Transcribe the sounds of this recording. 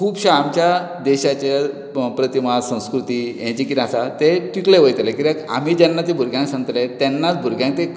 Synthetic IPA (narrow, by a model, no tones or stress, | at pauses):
kʰuːbɕaːmt͡ɕja | d̪eɕat͡ɕe | pɾət̪imasə̃w̃skɾut̪iːjɛ̃t͡ɕikit̪asat̪eʈikleʋəjt̪lekiɾaka̰miːd͡ʑɛnːat̪ebʱuɾɡʱjãŋksãŋɡət̪let̪ɛnːat͡sbʱuɾɡjãŋk̚t̪e